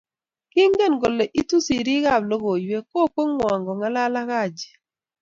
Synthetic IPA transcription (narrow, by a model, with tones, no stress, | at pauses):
ki˦ŋɡe˦˨nɡo˨le˨ʔi˦tu˦si˨ɾi˦ɣa˦˨blo˦ɣo˨jwe˦ko˦˨kwo˦ŋmwa˨ŋɡɔ˨ŋa˦la˦la˦ɣa˦˨d͡ʒi̥˨